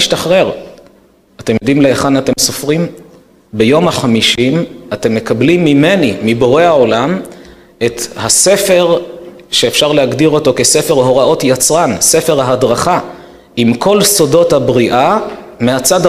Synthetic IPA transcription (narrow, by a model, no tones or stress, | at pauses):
ʃtaχʁe̞ʁ | ate̞mjod̪imleeχanate̞msofʁim | bejo̞maχamiʃimate̞mːe̞kablimːime̞nimibo̞ʁe̞haolam | e̞t̪hase̞fe̞ʁ | ʃe̞ːfʃaʁleaɡdiʁo̞to̞ke̞se̞fe̞ʁɦo̞ʁao̞tjat͡sʁanse̞fe̞ʁaɦadʁaχa | imkʰo̞lso̞do̞thabʁiʔa | meat͡sad